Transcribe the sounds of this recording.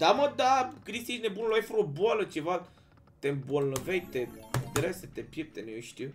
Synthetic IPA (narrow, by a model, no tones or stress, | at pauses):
d̪̥aməd̪akɾist̪iʃnebunloajfəɾoboalət͡ʃeva | t̪embolnəvejt̪ed̪ɾeset̪epʲjep̚t̪enejoʃt̪iw